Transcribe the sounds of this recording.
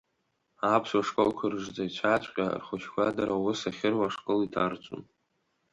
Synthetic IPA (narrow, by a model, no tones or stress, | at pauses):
apʰswaʂkʼolkʷʰarʐd͡zait͡ɕʷʰat͡ɕʷʰʼqʲʼa̰rχʷʊt͡ʃʰkʷadaɾawʊsaχʲɪrwaʂkʼolitʰa̰rt͡sʷʼo̰n